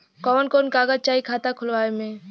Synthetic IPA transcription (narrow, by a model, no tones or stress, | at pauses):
kɔːənkoːnkaːɡəd͡ʒ̚t͡ʃaːikʰaːt̪akʰʊlʋaːemẽ